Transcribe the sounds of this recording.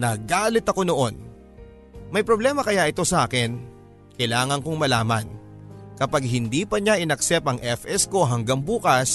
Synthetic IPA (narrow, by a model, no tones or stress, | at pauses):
nɐɡaːlɪt̪ɐko̞no̞ʔo̞n | mɐjpɾoblɛːmɐkɐjaʔɪt̪o̞sɐʔaːkɪn | kɐjlaːŋɐŋkoŋmɐlaːmɐnkɐpaɡ̚hɪnd̪iːpɐɲaʔɪnɐksɛpɐŋʔɛfɛsko̞ɦɐŋɡaŋbuːkɐs